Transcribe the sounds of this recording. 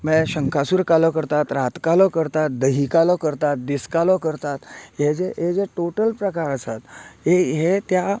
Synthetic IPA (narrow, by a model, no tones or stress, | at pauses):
mɛ̃ɕəŋkʰasuːɾkalɔkəɾt̪at̪ɾat̪kalɔkəɾt̪at̪̚d̪əɦikalɔkəɾt̪at̪̚d̪iskalɔkəɾt̪at̪ɦed͡zeɦed͡zeʈoʈəlpɾəkaɾəsat̪ɦeɦet̪ja